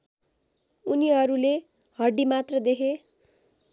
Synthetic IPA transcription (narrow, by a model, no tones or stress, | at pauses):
uniɦʌɾule | hʌrɖimat̪rʌd̪ekʰe